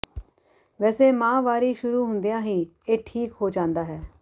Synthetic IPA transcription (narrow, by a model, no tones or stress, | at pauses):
ʋɛːseːmãːʋaːɾiːʃʊɾuːɦʊnd̪ijãːɦiː | eːʈʰiːkɦoːd͡ʒãːnd̪aːɦɛː